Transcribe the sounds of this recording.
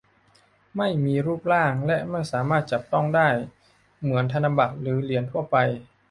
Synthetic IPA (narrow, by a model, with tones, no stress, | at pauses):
ma˥˩jmiː˧ɾuː˥˩p̚laː˥˩ŋlɛ˦˥ʔma˥˩jsaː˩˦maː˥˩t̪̚t͡ɕa˨˩p̚t̪ɔ˥˩ŋdaː˥˩j | mɯ˩˦ənt̪ʰa˧na˧mba˨˩k̚ɾɯː˩˦li˩˦ənt̪ʰu˥˩əpa˧j